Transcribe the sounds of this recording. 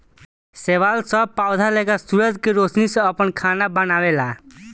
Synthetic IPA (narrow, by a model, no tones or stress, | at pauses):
seʋalsəpawd̪ʱalekasuɾəd͡ʒkeɾoːsnisɔ̃əpəɳkʰaːnabənaːʋela